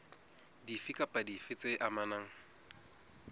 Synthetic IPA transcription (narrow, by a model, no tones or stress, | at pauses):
difikʼapʼadifɪt͡sʼeʔamanaːŋ̩